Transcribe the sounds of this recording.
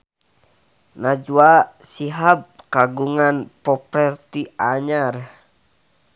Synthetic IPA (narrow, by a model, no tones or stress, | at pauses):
nad͡ʒuasiɦab̚kaɡuŋanpɔpɾɛrt̪iaɲar